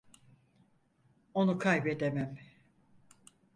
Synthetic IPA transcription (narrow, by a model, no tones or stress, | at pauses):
o̞nukʰajbed̪emæm